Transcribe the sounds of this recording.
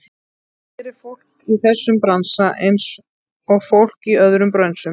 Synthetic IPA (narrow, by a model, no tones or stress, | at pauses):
ɛɾɪɾfowl̥kiθɛsːʏmpɾansaʔejns | ɔɣfowl̥kiœðɾʏmpɾœnsʏ